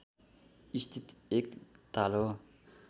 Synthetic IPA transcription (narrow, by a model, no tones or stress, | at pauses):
ist̪ʰit̪ekt̪alo